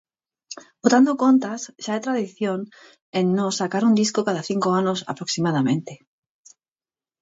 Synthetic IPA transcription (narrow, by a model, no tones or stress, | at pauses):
bot̪and̪okont̪asʃaajt̪ɾaðiθjoŋ | ẽnːõsakaɾund̪iskokaðaθiŋkoanosa̰pɾoksimað̞amẽnt̪e